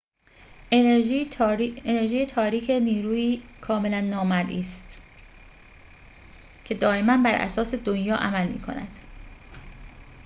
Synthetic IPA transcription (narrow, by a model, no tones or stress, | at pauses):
ene̞ɾʒiːjet̪ʰɒːɾiːcʰe̞niːɾuːiːkʰɒːme̞lænːɒːmæɾʔiːst̪ | cʰe̞d̪ɒːe̞mænbæɾʔæ̰sɒːse̞d̪onjɒːʔæmælmḭːkʰo̞̰næ̰d̪̥